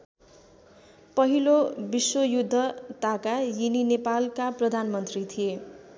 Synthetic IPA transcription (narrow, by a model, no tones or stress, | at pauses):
pʌɦilobiswojud̪ʱːʌt̪akajininepalkaprʌd̪ʱanmʌnt̪rit̪ʰije